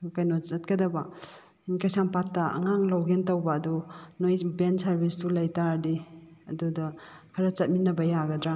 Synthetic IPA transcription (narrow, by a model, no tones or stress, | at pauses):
kajnɔɐt̚kadaba | inkajsaŋpatːaɐ̰ŋaŋlawɡentawbaːdɔnojbensaɾbistulajtaɾdi | ɐduda | kʰɐɾat͡ʃɐt̚minɐbɐjaɡɐdɾa